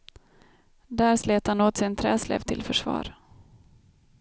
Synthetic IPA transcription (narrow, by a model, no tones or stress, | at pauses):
d̪æːɾsleːt̪hanoːt̪sɪnt̪ʰɾɛːslɛ̰ːvt̪ʰɪlfœʂvɑ̰ːɾ